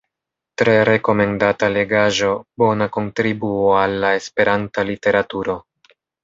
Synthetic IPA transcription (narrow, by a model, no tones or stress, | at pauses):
tɾe̞ɾe̞ko̞me̞ndatale̞ɡaʒo̞bo̞nako̞ntɾibuoalːae̞spe̞ɾantalite̞ɾatuɾo̞